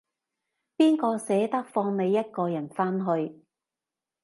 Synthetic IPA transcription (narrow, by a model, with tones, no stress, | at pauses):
piː˥nkɔː˧sɛː˨˥t̪ɐ˥k̚fɔː˧ŋne˨˧jːɐ˥t̚kɔː˧jɐ˨˩nfaː˥nɦɵ˧ɥ